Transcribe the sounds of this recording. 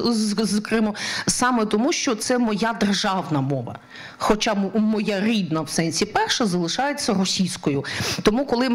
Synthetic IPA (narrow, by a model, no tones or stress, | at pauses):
zkɾɪmɔsɑmet̪ɔmuʃt͡ʃɔt̪sɛmɔjad̪erʒɑwnɐmɔʋɐ̰ | xɔt͡ʃɑmɔjaɾʲid̪nɐwsɛnʲsʲipɛrʃɛzɐlˠɪʃɑjet͡sʲːɐrɔsʲijsʲkɔjʊt̪ɔmukɔlˠɪ